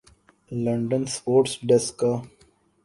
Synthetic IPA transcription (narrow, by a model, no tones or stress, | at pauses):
lə̃ɳɖənspoːɾʈsɖɛska